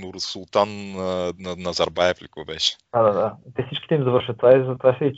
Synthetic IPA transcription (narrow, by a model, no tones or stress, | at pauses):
ʊɾsulˠt̪annɐnɐzɐɾbajɛflʲikobɛʃɛ̥d̪̥ad̪ad̪at̪ɛfsit͡ʃkʲi̥t̪ɛimzɐvɤɾʃət̪ːvaizɐt̪ovasɛi